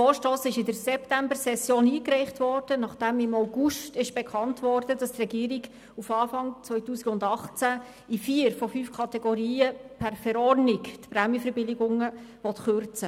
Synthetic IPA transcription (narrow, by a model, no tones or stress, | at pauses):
fɔːʃtoːsɪʃɪdəɾsɛptæmbərsɛsjoːniːkɾɛɪχtʋɔrd̥ənɑχd̥ɛmɪmaʊɡuʃtɪʃb̥ɛkʰɑntvɔrdədɑstrɛɡiːɾiɡ | ufɑːfɑŋt͡sʋœʏtuːsiɡʊndɑχt͡sæ | ifiːəɾfɔfyːfkʰɑtɛɡoɾiːəpʰærfɛɾɔrnɪktpɾɛmjəfəɾbɪlɪɡʊŋəʋɔtχʏrt͡sə